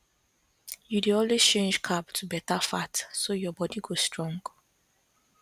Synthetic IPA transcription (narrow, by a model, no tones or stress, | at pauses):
judeɔ̃nlest͡ʃẽnd͡ʒkʰabtʰubɛtafatsojɔbɔdiɡostɹɔ̃ŋɡ